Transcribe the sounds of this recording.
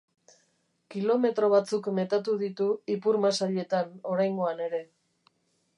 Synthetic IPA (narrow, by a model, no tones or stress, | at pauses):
kilo̞me̞t̪ɾo̞β̞at͡sukme̞t̪at̪uðit̪uipuɾmasaʎe̞t̪ano̞ɾajŋɡo̞ane̞ɾe̞